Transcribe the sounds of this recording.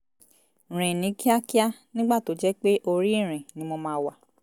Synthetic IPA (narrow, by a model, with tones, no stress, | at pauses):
ɾ̃ẽ˨nĩ˨˦ki˦a˦ki˦a˦nĩ˦ɡ͡ba˦˨to˨˦d͡ʒɛ˦k͡pe˦ʔo˧ɾi˦i˦˨ɾ̃ẽ˨nĩ˨˦mɔ˧mãː˦wa˨